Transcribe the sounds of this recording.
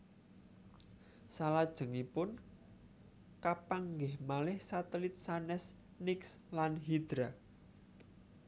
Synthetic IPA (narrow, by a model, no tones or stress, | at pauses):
salad̥ʒ̥ə̤ŋipʊn | kapaŋɡɪhmalɪhsat̪əlɪt̪̚sanɛs | nɪkslanɦid̪̥ɾa